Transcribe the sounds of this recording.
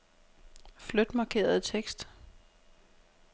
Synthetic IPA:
flød̥mɑ̈ːkʰe̝̰ːɐð̩ˠt͡sʰeɡ̥sd̥

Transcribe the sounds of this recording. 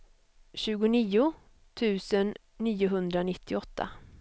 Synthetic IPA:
ɕʉ̟ːɡʊniːʊ | t̪ʰʉ̟ːsənː | iːʊɦɵnd̪ɾanɪt̪ʰːɪɔt̪ʰːa̰

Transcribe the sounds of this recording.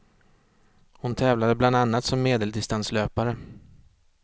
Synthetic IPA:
hʊnt̪ʰɛːvlad̪əbland̪anːat̪sɔmːeːd̪əld̪ɪst̪ansløːpaɾə

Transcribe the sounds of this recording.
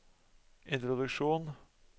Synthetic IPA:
ʔɪnt̪ɾʊd̪ʉkʂuːn

